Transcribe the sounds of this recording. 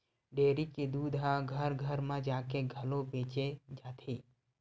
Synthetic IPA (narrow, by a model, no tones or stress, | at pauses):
ɖeːɾiked̪uːd̪ʱɦãɡʱəɾɡʱəɾmãd͡ʒaːkeɡʱəlobeːt͡ʃed͡ʒaːt̪ʰiː